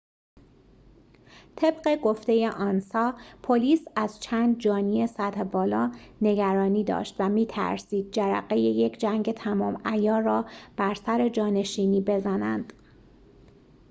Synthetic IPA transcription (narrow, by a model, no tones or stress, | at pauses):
t̪ʰe̞b̥ɢe̞ɡo̞ft̪e̞je̞ʔɒːnsɒːpʰoliːsæz̥t͡ʃʰæːnd̪̚d͡ʒɒːnie̞sæd̪̥he̞bɒːlɒːne̞ɡæɾɒːniːd̪ɒ̰ːʃt̪væmiːt̪ʰæ̰ɾsiːd̪̥̚d͡ʒæɾæ̰ɣejejecʰd͡ʒæŋɟe̞t̪ʰæmɒːmæjɒːɾɒːb̥æɾsæɾe̞d͡ʒɒːne̞ʃiːniːbe̞zænænd̪̥